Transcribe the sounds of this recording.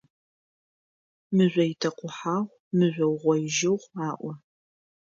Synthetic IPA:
mɨʑʷɔjɪtʰɐqʷʊħaːʁʷ | mɨzʷɔwʁʷɔjɪʒɪʁʷaːʔʷɔ

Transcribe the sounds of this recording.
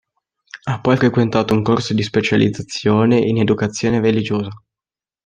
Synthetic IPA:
apːɔjfɾekwent̪aːt̪ouŋkorsod̪ispet͡ʃalid̪zat̪sːjoːneʔined̪ukat̪sːjoːnerelid͡ʒoːza

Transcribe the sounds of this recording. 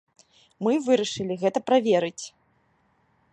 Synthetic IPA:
mɨvɨɾɐʂɨlʲiɣɛt̪ɐpɾavʲeɾɨt͡sʲ

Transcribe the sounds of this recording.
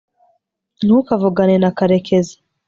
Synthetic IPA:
nukavuɡanenakaɾekezḁ

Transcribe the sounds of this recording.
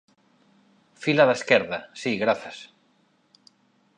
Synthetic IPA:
filaðeskɛɾðasiɣɾaθas

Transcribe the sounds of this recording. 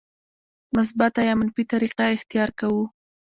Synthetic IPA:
mʊs̬bat̪ajɑmʊnfit̪aɾiqaɪxt̪ijɑɾkawu

